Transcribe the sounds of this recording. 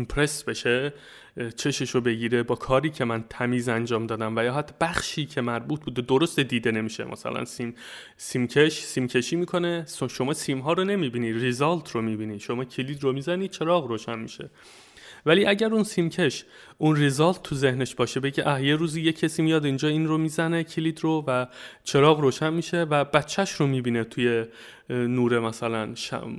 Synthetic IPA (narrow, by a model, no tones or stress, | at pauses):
impʰɾe̞sbe̞ʃe | t͡ʃʰe̞ʃe̞ʃobe̞ɟiːɾe̞bɒːkʰɒːɾiːcʰemænt̪ʰæmiːzænd͡ʒɒːmd̪ɒːd̪æmvæjɒːɦæt̪ʰːɒbæχʃiːcʰe̞mæɾbuːt̪̚ʰbuːd̪ed̪oɾost̪ed̪iːd̪ene̞miːʃe̞̰mʔæ̰sæ̰læ̰nsim | siːmcʰeʃsiːmcʰe̞ʃiːmiːkʰone̞sʃo̞mɒːsiːmɦɒːɾone̞miːbiːniːd̪rezɒlt̪ʰromibiːniːd̪̥ʃo̞mɒːcʰeliːd̪romiːzæniːd̪̚t͡ʃʰe̞ɾɒːɣroːʃænmḭʃe̞̰ | væliːʔæɟæɾunsiːmcʰe̞ʃ | ʔunrezɒːlt̪ːʰuze̞hne̞ʃbɒːʃebeɟeʔæhje̞ɾuːziːje̞cʰːesiːmijɒd̪ind͡ʒɒːinromiːzæne̞cʰiliːd̪rovæt͡ʃʰe̞ɾɒːɣroːʃænmiːʃe̞væb̥æt̪t͡ʃʰːæʃɾomiːbiːne̞t̪ʰuje̞ | nuːɾemæsælænʃ